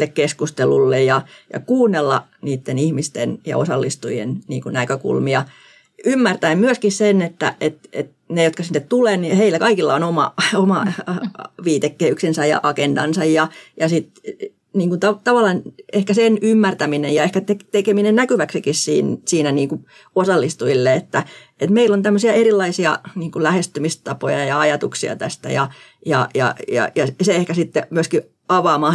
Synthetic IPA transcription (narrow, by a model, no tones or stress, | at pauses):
lːekkeskust̪elṵlːejjɑjɑ̰kuːnːelːɑ̰niːt̪ːenihmist̪enjɑ̰o̰sɑlːist̪ujḛnnḭːŋkunækøkṵlmiɑ | ymːært̪æimmyøskissenet̪ːæ̰et̪ḛt̪ | nejot̪kɑsinːet̪t̪uleːniheilːækɑikilːɑonomɑ̰omɑ | ʋiːt̪ekːeyksinsæjɑ̰ʔɑkendɑ̰nsɑjjɑjɑsit̪ | niːŋkunt̪ɑt̪ɑʋɑlːˑɑnehkæsenymːært̪æminejɑehkæt̪ekt̪ekeminennækyʋæksikissḭːnsiːnæniːŋku | osɑlːist̪uilːeet̪ːæ | et̪meilːont̪æmːøsiɑeɾilːɑisiɑ̰niːŋkulæhest̪ymist̪ɑpojɑjɑɑjɑt̪uksiɑ̰t̪æst̪æ̰jɑ̰jɑ̰jɑ̰jɑ̰jɑseehkæsit̪ːemyøski | ɑʋɑːmɑh